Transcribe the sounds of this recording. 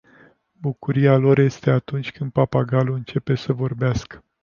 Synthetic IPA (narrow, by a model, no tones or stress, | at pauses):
bukuɾialo̞ɾje̞st̪e̞at̪unt͡ʃʲkɨnd̪̚papaɡaluɨnt͡ʃe̞pe̞səvo̞rbeaskə̥